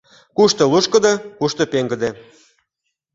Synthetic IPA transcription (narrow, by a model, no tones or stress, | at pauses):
kuʃt̪ɤ̆luʃkɤ̆d̪ɑkuʃt̪ɤ̆peŋɡə̆d̪e